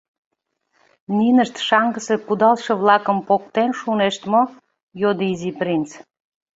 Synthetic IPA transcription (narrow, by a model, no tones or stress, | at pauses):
ninəʃt̪ʃɑŋɡəsekud̪ɑlʃɤ̆βlɑkə̆mpokt̪enʃuneʃt̪mo | jod̪iziprʲint͡s